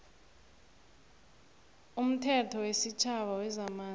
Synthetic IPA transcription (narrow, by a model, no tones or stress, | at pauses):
um̩tʰɛtʰɔwesit͡ʃʰaɓawɛzamaː